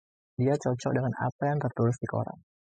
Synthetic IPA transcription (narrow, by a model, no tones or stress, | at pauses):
diat͡ʃɔt͡ʃɔ̰k̚dəŋana̰pajaŋt̪ərt̪uɾʊsdiko̰ɾa̰ŋ